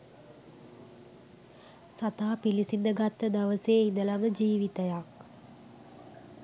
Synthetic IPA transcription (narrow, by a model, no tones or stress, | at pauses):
sat̪aːpilisind̪əɡat̪ːəd̪aʋəseːind̪əlaməd͡ʒiːʋit̪əjak̚